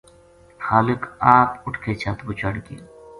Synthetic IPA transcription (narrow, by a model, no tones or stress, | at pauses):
xaːlɪkaːpʊʈʰkʰet͡ʃʰaːt̪bʊt͡ʃaɽɡḭ